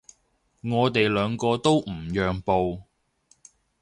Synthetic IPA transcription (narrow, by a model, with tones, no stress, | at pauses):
ŋɔː˨˧t̪e˨jlœː˨˧ŋkɔː˧t̪o˥wm̩˨˩jœː˨ŋpo˨w